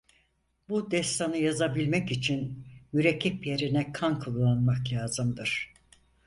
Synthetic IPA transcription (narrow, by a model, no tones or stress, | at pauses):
bud̪ɛst̪ʰanɯjazabilʲmɛcit͡ʃʰinmyɾecʰːipjeɾinɛkʰankʰulˠːanmaklʲaːzɯmd̪ɯɾ̥